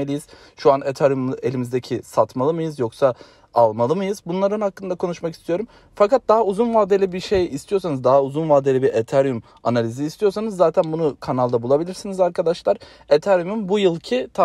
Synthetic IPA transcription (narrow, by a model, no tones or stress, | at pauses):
elʲijiz̥ | ʃuanet̪ʰaɾjume̞lʲimizd̪ecʰisat̪malˠɯmɯjɯzjo̞ksa | alˠmalˠɯmɯjɯzbunlˠaɾɯnhakːɯnd̪akʰo̞nuʃmaki̥st̪ʰijo̞ɾum | fakat̪̚d̪aɦauzunmaːd̪e̞lʲibiɾʃejist̪ʰijosanɯzd̪aɦauzunmaːd̪e̞lʲibiɾʔet̪ʰaɾjum | a̰nalʲiziːst̪ʰijo̞ɾsanɯzːaːt̪ʰænbunukʰanalˠd̪abulˠabilʲiɾsinizaɾkʰad̪aʃlˠaɾ | et̪ʰaɾjumunbujɯlˠcʰit̪ʰa